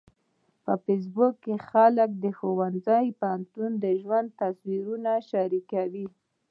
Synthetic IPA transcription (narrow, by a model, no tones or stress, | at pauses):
pəfɪs̬bʊkːexalək̚d̪əxowanzajpahant̪und̪əʒwand̪̚t̪aswiɾunaʃaɾikawi